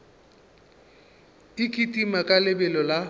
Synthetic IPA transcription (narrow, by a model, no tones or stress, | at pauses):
ɪkʼitʼimakʼalɪbɛlɔla